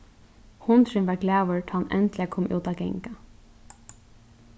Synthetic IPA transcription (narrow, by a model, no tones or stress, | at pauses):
hʊnt̪ɾɪnʋɛɡlæːʋʊɹt̪ʰɑːhanʔɛ̰nt̪lɪakʰɔːmʔṵːt̪aɡɛ̰ŋka